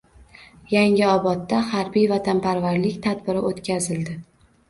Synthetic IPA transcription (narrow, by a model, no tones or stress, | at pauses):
jaŋɪɒbɒt̪ːahaɾbijvat̪ʰanpʰaɾvaɾlɪkʲt̪ʰad̪bɪɾɪʔot̪kʲʰazɪld̪ɪ